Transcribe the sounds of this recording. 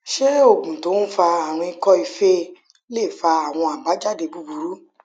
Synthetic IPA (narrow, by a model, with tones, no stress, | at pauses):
ʃe˦o˦˨ɡũ˨to˨˦fa˧a˨ɾ̃ĩ˧i˧kɔ˦i˧fe˦ | le˦˨fa˧a˨w̃ɔ̃˧a˨ɡ͡ba˨˦d͡ʒa˦˨de˧bu˧bu˨˧ɾu˨˦